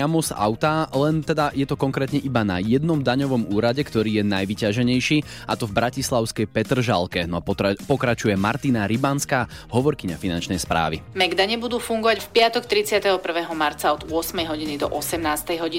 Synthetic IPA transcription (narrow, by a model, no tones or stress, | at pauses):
amɔsa̰ʊt̪alɛnt̪ɛd̪ajɛt̪ɔkɔŋkɾɛːt̪ɲɛʔibana̰jɛd̪nɔmd̪aɲɔʋɔmuːɾaɟɛkt̪ɔɾiːjɛnajʋicaʒɛɲɛjʃiː | at̪ɔvbɾacislaʊskɛjpɛt̪r̩ʒa̰lˠkɛnɔapɔkɾat͡ʃujɛmaɾt̪inaɾibanskaːɦɔʋɔɾkiɲafinant͡ʃnɛjspɾa̰ːʋḭmɛɡd̪aɲɛbud̪uːfuŋɡɔʋacfpɪat̪ɔkt̪ɾit͡sɪat̪ɛɦɔpr̩ʋɛːɦɔmaɾt͡saɔd̪ʊɔsmɛjɦɔɟinid̪ɔ̰ʔɔsɛmnaːst̪ɛjɦɔɟi